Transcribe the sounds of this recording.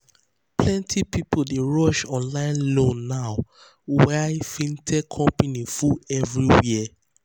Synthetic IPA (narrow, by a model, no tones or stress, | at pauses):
plɛ̃ntʰipipʊdeɹɔʃɔ̃nlãɪ̃nlõnːaʊ | waɪfĩntʰɛkʰɔ̃mpanifuɛvɹiwiə